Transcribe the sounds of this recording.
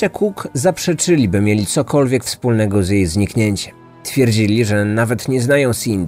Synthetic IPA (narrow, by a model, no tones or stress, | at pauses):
ɛkʰukzapʂɛt͡ʂɘlʲibɘmʲjelʲit̪sɔkɔlvʲjɛkfspulnɛɡɔzjejzɲikɲeɲt͡ɕɛm | t̪fʲjɛɾd͡ʑilʲiʐɛnavɛt̪ɲɛznajɔ̃w̃sʲind̪